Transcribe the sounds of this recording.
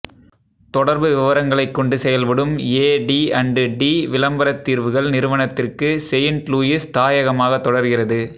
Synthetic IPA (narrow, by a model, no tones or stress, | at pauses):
t̪ɔɽɐɾbɯʋɪʋɐɾɐŋɡɐɭɐɪkːɔɳɖɯsɛjɐlʋɪɽɯmeːɖiːɐɳɖɯɖiːʋɪlɐmbɐɾɐt̪ːiːɾʋɯɣɐɭnɪɾɯʋɐɳɐt̪ːɪrkɯsɛjɪnʈluːjɪst̪aːjɐɣɐmaːɣɐt̪ːɔɽɐɾɣɪrɐðɯ